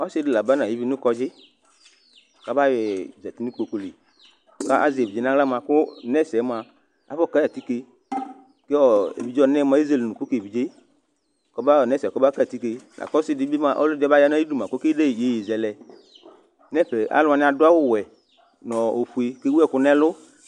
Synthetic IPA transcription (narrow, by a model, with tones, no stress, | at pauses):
ɔ˦si˧di˨la˨ba˦na˨i˨˦vi˧˦nu˦kɔ˧d͡ʒɪ˦˨ | ka˦ba˦jɛ˨zɛ˨ti˦ni˦k͡po˧ko˧le˨ | ka˦ʔa̰˦zi˨e˨bi˨d͡ʒe˦na˦la˦ma˧kʊ˦nɛ˦˨sɛ˨˦ma˧ | a̰˨˦bɔ˦˨ka˦a˨ti˦ke˧ | ke˦ɔ˨ḛ˨bi˨d͡ʒɔ˧nɛ˦ma˨˦i˦ze˦˨lnũ˨ku˦ke˨bi˨d͡ʒe˦˨ | kɔ˧˦ba˦˨nɛ˦˨sɛ˨kɔ˦bka˦˨a˨ti˦ke˧nʔa̰˨kɔ˦si˦dɪ˧˦bi˦ma˧ʔɔ̰˦lʊ˦d͡ʒɛ˦ba˦ja˦na˦i˦du˦˨mã˨ku˦ke˦de˦˨d͡ʒe˨˦ji˨zɛ˨lɛ˨ | nɛ˦ɸɛ˨a̰˨˦lʊ˧a˧nĩ˧˦a˧dʊ˦a˦wʊ˦˨wɛ˨ | nɔ˨o˨ɸu˨e˧ke˦wu˦ɛ˦˨ku˧˦nɛ˦lʊ˦